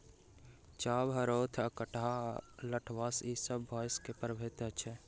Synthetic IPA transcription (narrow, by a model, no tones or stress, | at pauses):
t͡ʃaːbɦəɾoːt̪ʰəkəʈaləʈʰʋasisəbːɔːjskepəɾbʱet̪ət͡ʃʰɛ